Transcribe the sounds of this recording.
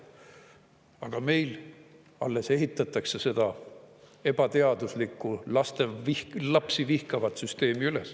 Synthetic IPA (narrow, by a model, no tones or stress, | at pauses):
ɑɡ̥ɑme̞jl | ɑ̰lːe̞se̞ɦit̪ːˑɑt̪ˑːɑkse̞se̞d̪̥ɑ | e̞b̥ɑt̪e̞ɑd̪̥uslikːˑulɑst̪e̞ihlɑpsivihkɑvɑt̪syst̪e̞ːmiyle̞s